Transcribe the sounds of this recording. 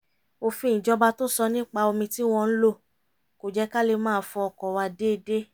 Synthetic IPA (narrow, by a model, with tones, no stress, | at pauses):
o˧fĩ˧˨ĩ˨d͡ʒɔ˧ba˧to˦sɔ˧nĩ˦k͡pa˧o˧mĩ˧ti˦w̃ɔ̃˧n̩˦lo˦˨ | ko˨d͡ʒɛ˨˦ka˦le˧mãː˦˧˦fɔ̃˧ɔ˧˨kɔ˨wa˧de˦˧de˦